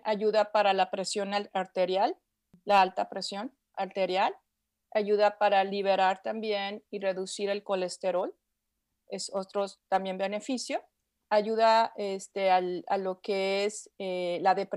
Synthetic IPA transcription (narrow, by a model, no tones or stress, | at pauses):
aʝuðapaɾalapɾe̞sjo̞naaɾt̪e̞ɾjalː | aalt̪apɾe̞sjo̞n | aɾt̪e̞ɾjal | aʝuðapaɾaliβ̞e̞ɾaɾt̪ambje̞nire̞ðusiɾe̞lko̞le̞st̪e̞ɾo̞l | eso̞t̪ɾo̞st̪ambje̞mbe̞ne̞fisjo̞ | aʝuðaest̪e̞ala̰lo̞keeselaðe̞p